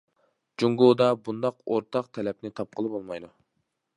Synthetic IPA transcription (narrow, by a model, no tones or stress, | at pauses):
d͡ʒuŋɡoːd̪ɑbund̪ɑqoɾt̪ʰɑq̚t̪ʰɛlɛp̚nɪt̪ʰɑp̚qʰəlˠɨpolˠmɑjd̪u